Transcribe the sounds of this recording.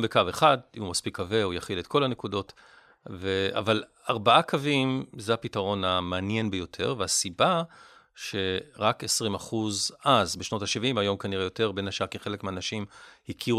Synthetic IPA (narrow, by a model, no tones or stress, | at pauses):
mbekaveχadimumaspikːave̞ujaχilet̚kʰo̞lane̞kudo̞t | vea̰val | aʁbaʔakʰavimzehapitaʁo̞nameanje̞nbejo̞tʰe̞̰ʁveasiba | ʃe̞ʁakesʁimaχuzʔazbeʃno̞taʃivimajo̞mkaniʁejo̞te̞ʁbenaʃakiχe̞lekmeanaʃimhikʰi